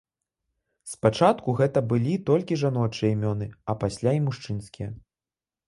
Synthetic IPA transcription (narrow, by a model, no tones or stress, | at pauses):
spat͡ʂat̪kuɣɛt̪ɐbɨlʲit̪ɔlʲkʲiʐanɔt͡ʂɨjɐimʲɔnɨɐpasʲlʲaimuʂt͡ʂɨnskʲijɐ